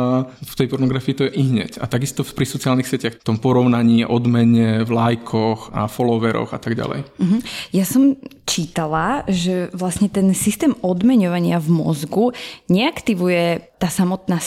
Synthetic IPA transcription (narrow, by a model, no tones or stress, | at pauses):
ft̪ɛjpɔɾnɔɡɾafiːt̪ɔjɛʔiɦɲɛ̰ca̰t̪aɡist̪ɔfpɾisɔt͡siaːlnixsɪɛcɪaxft̪ɔmpɔɾɔʊnaɲiːʔɔd̪mɛɲɛvlajkʰɔxa̰fɔlɔʋɛɾɔ̰xa̰t̪aɡɟa̰lɛ̰j̩ɦ̩jasɔm | t͡ʃiːt̪alaʒɛʋlasɲɛt̪ɛnsist̪ɛːmɔd̪mɛɲɔʋaɲɪavmɔ̰zɡuɲɛakt̪iʋujɛt̪aːsamɔt̪na